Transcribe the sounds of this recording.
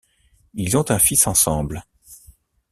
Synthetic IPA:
ilzɔ̃t̪ɛ̃fisɑ̃sɑ̃bl

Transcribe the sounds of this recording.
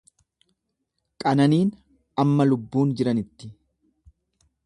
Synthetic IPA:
kʼɐnɐniːn | ɐmːɐlʊbːuːnd͡ʒɪɾɐnɪt̪ːɪ̥

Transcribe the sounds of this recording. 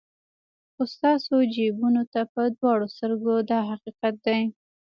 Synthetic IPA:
xʊst̪ɑsod͡ʒebunot̪apəd̪wɑɽost̪əɾɡod̪ɑɦaqiqat̪̚d̪aj

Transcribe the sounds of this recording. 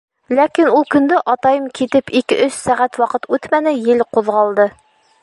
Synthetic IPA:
lækinulˠkɵ̆nd̪ɘʔɑt̪ɑjɤmkit̪ɘpikɘʔɵssæʁæt̪wɑqɤt̪ʉt̪mænɘjɘlquðʁɑlˠd̪ɤ

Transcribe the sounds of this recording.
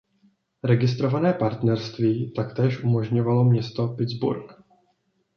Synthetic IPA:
ɾɛɡɪst̪ɾo̞vanɛːpaɾt̪nɛɾst̪viːt̪akt̪ɛːʃʔumo̞ʒɲo̞valo̞mɲɛst̪o̞pɪd͡zbṵɾk

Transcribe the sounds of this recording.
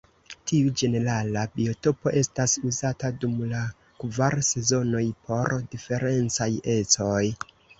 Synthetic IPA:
tʰiud͡ʒe̞ne̞ɾalabio̞to̞po̞ʔe̞stasuzatadumla | kvaɾse̞zo̞no̞jpʰo̞ɾdife̞ɾe̞nt͡saje̞t͡so̞j

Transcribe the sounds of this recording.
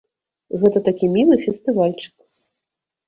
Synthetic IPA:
ɣɛt̪ɐt̪akʲimʲilˠɨfʲɛst̪ɨvalʲt͡ʂɨ̥k

